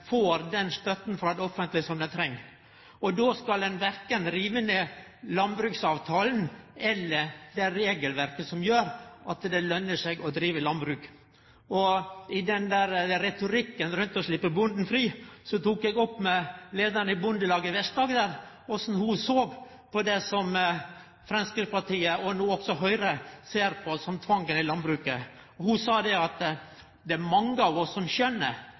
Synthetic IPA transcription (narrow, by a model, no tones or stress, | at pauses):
foːɾd̪ɛnst̪œt̪nfɾɑd̪ɛɔfənt̪lɪəsɔmd̪ɛnt̪ʰɾɛŋː | ɔd̪oːskɑld̪ɛnʋæɾkənɾiːʋənə | lɑnbɾʉːksɑːʋt̪ʰɑːlnɛlːəɾd̪ɛɾeːɡəlʋæɾkəsɔmjøːɾʔɑt̪d̪ɛlœnːəʂɛɡɔd̪ɾiːʋəlɑnbɾʉːk | ɔɪd̪ɛnd̪æɾɾɛt̪ʊɾɪkːənɾʉnt̪ɔʂlɪpːəbʊnd̪n̩fɾiːsɔt̪uːkɛɡɔpːmɛleːd̪əɾnəɪbʊnd̪əlɑːɡəʋɛʂʈ̪d̪ɑːɡd̪æːɾ | ɔsn̩hʊsoːɡ | pʰɔd̪ɛsɔm | fɾɛnskəpɑʈiːəɔnuːɔksɔɦœʏɾəseːɾpʰɔsɔmt̪ʰʋɑŋkənɪlɑnbɾʉːkə | ɔhʊsɑːd̪ɛɑt̪ | d̪ɛæɾmɑŋːəɑʋɔsːɔmçœnːə